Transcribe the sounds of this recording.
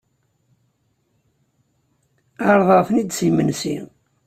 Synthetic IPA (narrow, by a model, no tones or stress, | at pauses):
ɑɾˤðˤəʁfənid̪simənsi